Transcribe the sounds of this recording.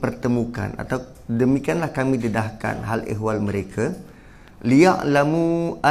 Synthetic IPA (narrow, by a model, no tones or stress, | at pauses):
pərt̪əmũka̰na̰t̪a | dəmikianlahkamĩdədahka̰nɦalḛɦwalməɾekʰa | liaʔlamua